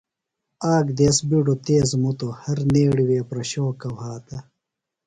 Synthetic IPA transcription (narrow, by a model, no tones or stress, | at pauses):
aːɡd̪eːsbiɖot̪eːzmut̪ohɐɾneːɽiweːpɾɐɕoːkɐwhaːt̪ɐ